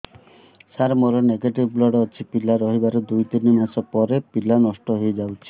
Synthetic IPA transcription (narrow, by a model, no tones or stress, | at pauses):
saɾmoɾoneɡeʈibblɔɽɔt͡ʃʰipilaɾɔɦibaɾed̪ujt̪inimasɔpɔɾepilanɔsʈɔɦojd͡ʒawt͡ʃʰi̥